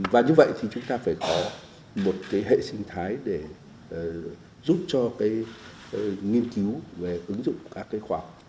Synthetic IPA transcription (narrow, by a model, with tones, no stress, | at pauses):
vaː˨˩ɲɨ˧və̰˧˨jt̪ʰi˨˩t͡ɕʊ˨˦ŋ͡mt̪aː˧faː˧˩jkɔ˨˦ | mo˨˩t̚kaː˨˦jɦḛ˧˨sï˧ŋ̟t̪ʰaː˨˦jɗe˧˩ | zu˦˥p̚t͡ɕɔ˧kaː˨˦j | ŋi˧ənki˨˦wve˨˩ʔɨ˨˦ŋzʊ̰˧˨ŋ͡mkaː˦˥kːaː˨˦jxwaː˧˩k͡p̚